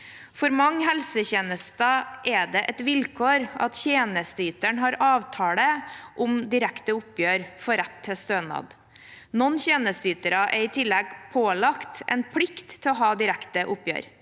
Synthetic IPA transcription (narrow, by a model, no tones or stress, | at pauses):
fɔɾmɑŋːɦɛlsəçeːnəst̪ɑʔɛd̪ɛʔɛt̪ʋɪlkʰoːɾɑ̰t̪çeːnəst̪yːt̪əɳɦɑːɾɑːʋt̪ʰɑːɽəʔʊmd̪ɪɾækt̪əʊpjøːɾfɔɾɛt̪ʰːɪst̪øːnɑ̰ːd̪ | nɔnːçeːnəst̪yːt̪əɾɑʔɛɾɪt̪ʰɪlːɛɡpʰoːlɑkt̪ʔɛ̰ɪnpʰlɪkt̪ʰːɪɔɦɑːd̪ɪɾækt̪əʔʊpjø̰ːɾ